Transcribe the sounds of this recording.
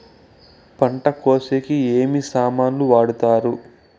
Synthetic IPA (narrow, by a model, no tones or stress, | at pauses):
pɐɳʈɐkoːsekieːmisaːmaːnluʋaːɽut̪aːɾu